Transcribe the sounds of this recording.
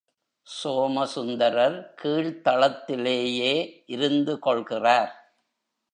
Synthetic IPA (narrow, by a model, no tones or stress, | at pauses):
soːmɐsʊnd̪ɐɾɐɾkʰiːɭt̪ɐɭɐt̪ːɪleːjeːʔɪɾɯnd̪ɯkɔɭɣɪraːɾ